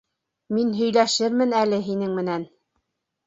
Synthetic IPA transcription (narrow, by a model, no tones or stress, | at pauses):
minɦɵ̆jlæʃɘɾmɘnælɘɦinɘŋmɘ̆næn